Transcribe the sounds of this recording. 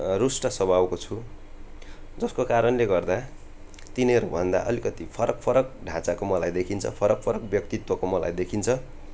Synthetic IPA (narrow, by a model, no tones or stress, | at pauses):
rusʈʌsʌbʱawkot͡sʰu | d͡zʌskokaɾʌnleɡʌrd̪a | t̪inʌʌɾubʱʌnd̪a̰ʔʌ̰likʌt̪ipʰʌɾʌk̚pʰʌɾʌk̚ɖʱãt͡sakomʌlajd̪ekʰint͡sʰʌ̰pʰʌɾʌk̚pʰʌɾʌk̚bjʌk̚t̪it̪wʌkomʌla̰jd̪ekʰint͡sʰʌ